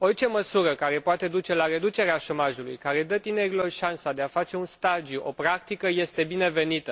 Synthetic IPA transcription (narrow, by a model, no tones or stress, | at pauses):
o̞rt͡ʃe̞məsuɾəkaɾe̞poat̪e̞d̪ut͡ʃe̞laɾe̞d̪ut͡ʃe̞ɾeaʃo̞maʒulujkaɾe̞d̪ət̪ine̞ɾilo̞rʃansad̪e̞afat͡ʃe̞unst̪ad͡ʒijuʔo̞pɾakt̪ikəje̞st̪e̞bine̞ve̞nit̪ə